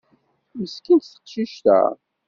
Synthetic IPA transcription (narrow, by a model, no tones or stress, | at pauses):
məskint̪θə̥qʃiʃt̪æ̰